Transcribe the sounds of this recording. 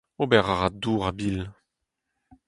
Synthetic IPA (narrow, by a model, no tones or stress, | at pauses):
obɛʁaʁad̪uːʁabil